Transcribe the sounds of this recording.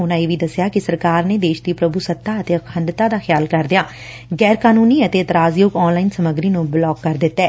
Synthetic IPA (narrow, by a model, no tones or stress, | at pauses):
ʊnãːeːʋiːd̪əsɪjaːkɪsəɾkaːɾneːd̪eːʃd̪iːpɾəbuːsət̪ʰːaːət̪eːəkʰənɖt̪aːd̪aːxʰɪjaːlkəɾd̪ɪjaː | ɡɛːɾkaːnuːniːət̪eːt̪ɾaːzjoːɡɔːnlaːiːnsəməɡɾiːnũːblɔːɡːəɾd̪ɪt̪ːɛː